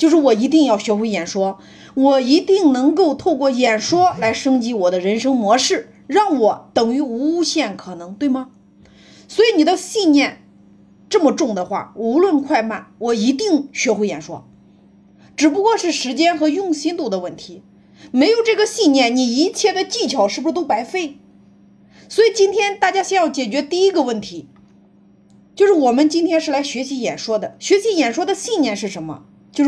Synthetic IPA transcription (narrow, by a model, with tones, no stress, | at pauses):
t͡ɕjo˥˧ʊʂɻ̩˥˩wɔ˨˩i˧˥t̪i˥˧ŋjɑ˥˩ʊɕɥɛ˧˥xwe˧˥ɪjɛ˨˩nʂwɔ˥ | wɔ˨˩i˧˥t̪i˥˩ŋnɤ˧˥ŋko˥˧ʊt̪ʰo˥˧ʊkwɔ˥˩jɛ˨˩nʂwɔ˥la˧˥ɪʂɤ˥ŋt͡ɕi˥wɔ˨˩d̪ə˦ɻə˧˥nʂɤ˥ŋmwɔ˧˥ʂɻ̩˥˩ | ɻɑ˥˩ŋwɔ˨˧˩t̪ɤ˨˩ŋy˧˥u˧˥u˥˧ɕjɛ˥˩nkʰɤ˨˩nɤ˧˥ŋt̪we˥˩ɪmə˩ | swɔ˧˥i˨˧˥ni˨˩d̪ə˦ɕi˥˧nnjɛ˥˩n | ʈ͡ʂɤ˥˩mə˩ʈ͡ʂʊ˥˩ŋd̪ə˩xwa̰˥˩u˧˥lwə˥˧nkʰwa˥˧ɪma˥˩nwɔ˨˩i˧˥t̪i˥˩ŋɕɥɛ˧˥xwe˧˥jɛ̰˨˩nʂwɔ̰˥ | ʈ͡ʂɻ̩˨˩p̬u˧˥kwɔ˥˧ʂɻ̩˥˩ʂɻ̩˧˥t͡ɕjɛ˥nxɤ˧˥jʊ˥˩ŋɕi˥nt̪u˥˩d̪ə˧wə˥˩nt̪ʰi˧˥ | me˧˥ɪjo˨˩ʊʈ͡ʂɤ˥˩ɡə˩ɕi˥˧nnjɛ˥˩nni˨˩i˧˥t͡ɕʰjɛ˥˩d̪ə˩t͡ɕi˥˩t͡ɕʰjɑ˨˧˩ʊʂɻ̩˥˩u˧ʂ̩˥˧t̪o˥ʊpa˧˥ɪfe˥˩ɪ | swɔ˧˥i˨˩t͡ɕi˥nt̪ʰjɛ˥nt̪a˥˩t͡ɕja˥ɕjɛ˥˧njɑ˥˩ʊt͡ɕjɛ˨˩t͡ɕɥɛ˧˥t̪i˥˩i˥ɡə˧wə˥˩nt̪ʰi˧˥ | t͡ɕjo˥˧ʊʂɻ̩˥˩wɔ˨˩mə˦nt͡ɕi˥nt̪ʰjɛ˥nʂɻ̩˥˩la˧˥ɪɕɥɛ˧˥ɕi˧˥jɛ˨˩nʂwɔ˥d̪ə˨ɕɥɛ˧˥ɕi˧˥jɛ˨˩nʂwɔ˥d̪ə˨ɕi˥˧njɛ˥˧nʂɻ̩˥˩ʂə˧˥nmə̰˧ | t͡ɕjo˥˧ʂ